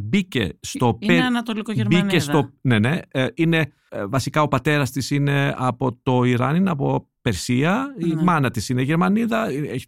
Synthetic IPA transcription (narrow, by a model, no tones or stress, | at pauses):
bicḛst̪o̞eɐnɐt̪olikoʝeɾmbinesst̪one̞ne̞ine̞ | vɐsikɐo̞pɐt̪e̞ɾɐst̪isine̞ɐpo̞t̪o̞iɾɐ̰nineɐpo̞ | pe̞ɾsiɐimɐnɐt̪isineʝe̞ɾmɐniðɐieç